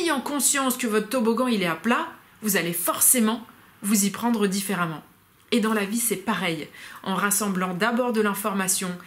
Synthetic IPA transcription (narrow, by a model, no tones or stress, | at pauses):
ejɑ̃kɔ̃sjɑ̃skəvɔt̪t̪oboɡɑ̃ilɛapla | vuzalefɔʁsemɑ̃ | vuzipχɑ̃d̪ʁəd̪ifeʁamɑ̃ | ed̪ɑ̃lavisɛpaʁɛjɑ̃ʁasɑ̃blɑ̃d̪abɔʁd̪əlɛ̃fɔʁmasjɔ̃